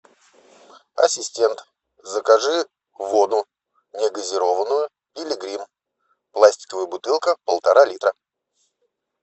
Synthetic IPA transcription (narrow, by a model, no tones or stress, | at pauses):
ɐ̰sʲɪsʲtʲent̪ | zəkɐʐɨ | vod̪ʊ | nʲɪɡəzʲɪɾo̞vənːʊjʊ | ilʲɪɡɾʲim | plˠasʲtʲɪ̥kəvəjəbʊt̪ɨlˠkəpəlˠt̪ɐɾalʲit̪ɾə